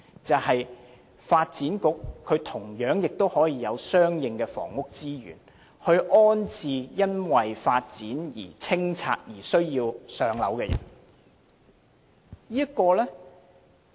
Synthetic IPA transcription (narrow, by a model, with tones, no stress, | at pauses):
t͡sɐ˨whɐ˨j | faː˧t̚t͡siː˨˥nkʊ˥kʰːɵ˨˧ɥt̪ʰʊ˨˩ŋjœː˨˥ŋjɪ˨k̚t̪o˥whɔː˨˥jiː˧jɐ˨˧wsœː˥ŋjɪ˨ŋkɛː˧fɔ̰ː˨˩ŋʊ˥k̚t͡siː˥jy̰ː˨˩n | hɵ˧ɥʔɔː˥nt͡sʰiː˧jɐ˥nwɐ˨jfaː˧t̚t͡siː˨˥njḭː˨˩t͡sʰɪ˥ŋt͡sʰa̰ː˧t̚jiː˨˩sɵ˥ɥjiː˧wsœː˧ŋlɐ̰˨˥wkɛː˧jɐ̰˨˩n | jiː˥jɐ˥kːɔː˧lɛ˥